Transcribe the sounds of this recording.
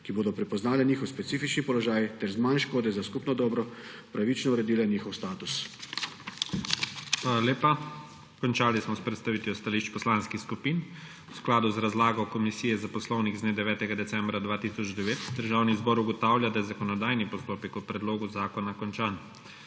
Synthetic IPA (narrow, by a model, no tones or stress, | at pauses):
kiboːd̪ɔpɾɛpɔznaːlɛniːxɔwspɛt̪siːfit͡ʃnipɔlɔʒaːjt̪ɛɾzmanʃkoːd̪ɛzaskupnɔd̪ɔːbɾɔ | pɾaʋit͡ʃnɔuɾɛd̪iːlɛniːxɔwst̪aːt̪us | xʋalaleːpa | kɔnt͡ʃaːlismɔspɾɛt̪st̪aʋiːt̪jɔst̪aliʃt͡ʃpɔslanskixskupiːn | wsklaːd̪uzɾazlaːɡɔwkɔmisiːjɛzapɔslɔwniɣzneːd̪ɛʋɛːt̪ɛɡad̪ɛt̪sɛmbɾad̪ʋaːt̪isɔd͡ʒd̪ɛʋeːt̪d̪əɾʒaːwnizbɔːɾuɡɔt̪aːwljad̪ajɛzakɔnɔd̪aːjnipɔst̪oːpɛkupɾɛd̪loːɡuzaːkɔnakɔnt͡ʃaːn